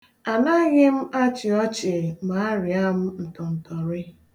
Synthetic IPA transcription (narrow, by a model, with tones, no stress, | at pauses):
a˨na˦ɣɪ˦m̩˦ʔa˦t͡ʃɪ˨ɔ˦t͡ʃɪ˨ma˨a˦ɾɪ˨a˦m̩˦n̩˨tɔ˨n̩˨tɔ˨ɾɪ˦